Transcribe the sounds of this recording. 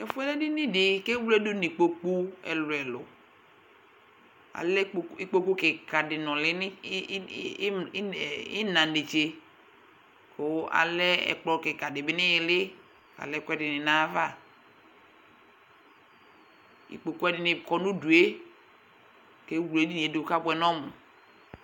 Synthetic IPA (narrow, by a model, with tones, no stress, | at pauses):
ɛ˨fʊ˦ɛ˦lɛ˦dɪ˦nɪ̃˦dɪ˨ke˦wu˦lɛ˦du˦ni˨k͡po˨k͡pu˦ɛ̰˨lwɛ˨lʊ˨ | a̰˨lɛ˦i˦k͡po˦ku˦kɪ˨ka˨dɪ˨nɔ̃˨lɪ˦n˦˨ | ɪ˦nã˨de˨t͡ʃe˨ | ko˨˦a̰˨lɛ˦ɛ̰˨k͡plɔ˦ke˨ka˨dɪ˨bɪ˦nɪ̃˦je˨lɪ˦ | a̰˨lɛ˦kɛ˦dɪ˨nɪ˨na˦va˦˨ | ḭ˨k͡po˨ku˦ɛ˦dɪ˨nɪ˨kɔ˨nũ˦du˨e˦ | ke˨˦wu˨e˨˦di˦n˨e˨˦de˨˦ka˦bʊ˦ɛ˨nɔ̃˦mu˨